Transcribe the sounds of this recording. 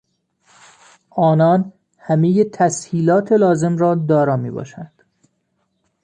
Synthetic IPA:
ʔɒːnɒːn | hæmejet̪ʰæshiːlɒːt̪ʰe̞lɒːze̞mɾɒːd̪ɒːɾɒːmḭːbɒ̰ːʃænd̪̥

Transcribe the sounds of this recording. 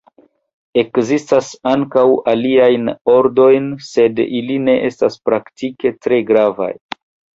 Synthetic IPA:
e̞kzistasaŋkawaliajno̞ɾdo̞jnse̞diline̞ʔe̞staspɾaktike̞tɾe̞ɡɾava̰j

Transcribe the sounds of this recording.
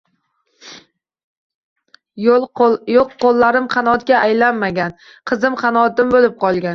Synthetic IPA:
joqːolˠːaɾɪmqʰɑnɒt̪̚ɡʲaʔajlanmaɡʲan | qʰɨzɪmqʰɑnɒt̪ɪmbolɪp̚qʰɒlˠɡʲan

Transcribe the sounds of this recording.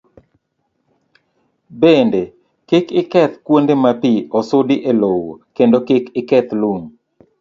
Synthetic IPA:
bende | kɪkɪkɛt̪kwondemapiɔsodiʔelowo̰kendokɪkɪkɛt̪luŋ

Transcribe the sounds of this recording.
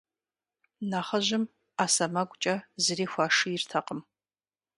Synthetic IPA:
naːχɐʒɪm | aːsɐmɐɡʷʼt͡ʃʼɐzɨriːxʷaːʂɨjɪrtʰɐqəm

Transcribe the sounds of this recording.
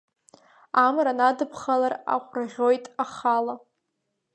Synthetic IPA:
amranadɨpʰχalara̰qʷʰʼraʁʲo̞jtʼaχala

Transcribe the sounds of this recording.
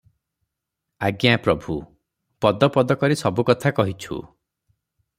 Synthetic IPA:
aɡjapɾɔbʱu | pɔd̪ɔpɔd̪ɔkɔɾisɔbukɔt̪ʰakɔɦit͡ʃʰṵ

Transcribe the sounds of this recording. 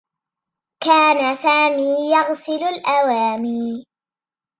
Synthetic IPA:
kaːnasaːmiːjɑɣsɪlʊlʔawaːmiː

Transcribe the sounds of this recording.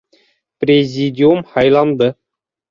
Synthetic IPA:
pʲrʲezʲidʲiumχɑjlˠɑnd̪ɤ̆

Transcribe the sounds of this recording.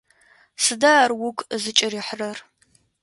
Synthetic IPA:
sɨdarwʊkʼzɨt͡ʃʼɪriːħrɐr

